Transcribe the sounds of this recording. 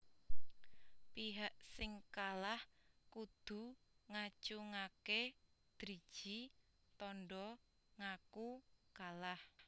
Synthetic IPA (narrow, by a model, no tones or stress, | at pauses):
piɦaʔsɪŋkalahkud̪̥ṳŋat͡ʃuŋaked̪̥ɾid̥ʒ̥i | t̪ɔnɖɔ | ŋakukalah